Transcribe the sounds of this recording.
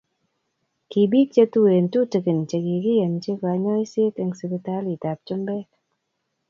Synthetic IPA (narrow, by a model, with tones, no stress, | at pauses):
ki˨bi˦t͡ʃe˦tu˦e˨n˨tu˦˨tɨ˨kɨ˨n˨t͡ʃe˨ki˨ki˦je˨nt͡ʃe˦ka˨˧ɲɔ˦i˦se˦te˧ŋsɨ˨kɨ˧˦ta˦li˨ta˨p̚t͡ʃu˦mbe˦